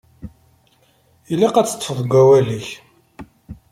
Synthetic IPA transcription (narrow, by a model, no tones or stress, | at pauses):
ilːaqæt͡sːə̥t̪ːəfəðˤɡʷːæwæliç